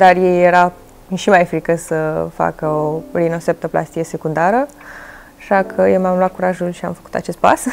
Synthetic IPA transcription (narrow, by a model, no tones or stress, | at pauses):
d̪arjejːeɾa | ʃimajfɾikəsəfa̰kəolinosep̚t̪əpla̰st̪ijesekund̪aɾə | aʃakʰəjewmamlwat̪̚kuɾaʒulʃia̰mfə̥ku̥t̪a̰t͡ʃe̞st̪̚pa̰s